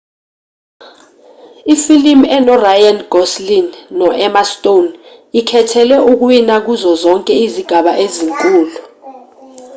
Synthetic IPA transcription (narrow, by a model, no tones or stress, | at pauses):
ifilimɛnɔrajanɡ̥ʱɔslinːɔʔɛmastʼon | ikʰɛtʰɛlɛʔuk̬winak̬uzɔzɔŋkʼɛiziɡ̥ʱaɓaʔeziŋkʼuːlu